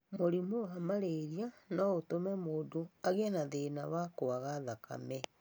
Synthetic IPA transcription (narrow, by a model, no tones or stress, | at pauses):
moɾimowamaɾeɾianɔotomɛmoːdoaɣenaðenaβakoaɣaðaka̰mɛ